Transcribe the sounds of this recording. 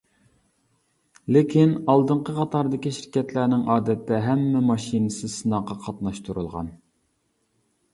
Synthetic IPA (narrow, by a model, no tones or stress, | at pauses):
lɪkʲʰinɑlˠd̪əɴqəqʰɑt̪ʰɑɾd̪ɨkʲiʃiɾkʲɛt̪ʰlænɪŋʔɑːd̪ɛt̪ʰːɛɦɛmːɛmɑʃinɨsɨsɨnɑqɑqʰɑt̪nɑʃt̪ʰuɾṵlˠʁɑ̰n